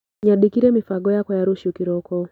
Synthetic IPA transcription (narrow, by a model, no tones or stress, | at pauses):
ɲaɗikiɾɛmifaɡɔjakɔjaɾuʃukiɾɔkɔ